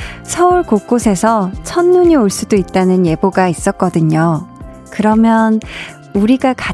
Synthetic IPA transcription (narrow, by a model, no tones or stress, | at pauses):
sʰʌuɭkok̚k͈osʰe̞sʰʌt͡ɕʰʌnːuɲioɭs͈udoit̚t͈anɯnje̞boɡais͈ʌk̚k͈ʌdɯɲo | kɯɾʌmjʌn | uɾiɡaka